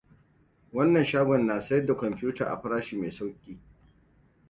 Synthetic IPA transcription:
wɐ˦nːɐ˨nʃaː˦ɡʷɔ˨nːaː˨sɐ˦jɐ˦rda˨kʷɔ˨mpɪ˦juː˦ta̰ː˨ʔa̰˨ɸɪ˦ɾaː˦ʃiː˨me˨jsa˦wkʲʼiː˨

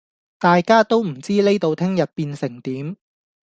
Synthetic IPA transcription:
t̪aː˨jkaː˥t̪o˥wm̩˨˩t͡siː˥le˥jt̪o˨˧wt̪ʰɪ˥ŋjɐ˨t̚piː˧nsɪ˨˩ŋt̪iː˨˥m

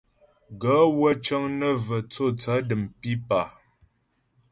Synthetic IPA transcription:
ɡə˨˦wə˦t͡ʃə˦ŋnə˦və˨t͡so˦˨t͡sa˨˦də˨mpi˦pa˨

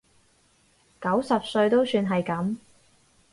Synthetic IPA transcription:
kɐ˨˥wsɐ˨p̚sɵ˧ɥt̪o˥wsyː˧nɦɐ˨jkɐ˨˥m

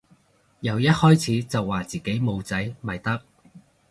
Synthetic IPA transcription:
jɐ˨˧wjɐ˥t̚hɔː˥jt͡sʰiː˨˥t͡sɐ˨wːaː˨˩t͡siː˨˩ke˨˥jmo˨˧wt͡sɐ˨˥jmɐ˨jt̪ɐ˥k̚

